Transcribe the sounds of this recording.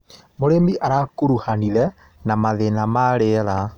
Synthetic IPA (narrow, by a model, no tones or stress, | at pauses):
moɾemiʔaɾakuɾuhaniðɛ | namaðenamaɾeɾa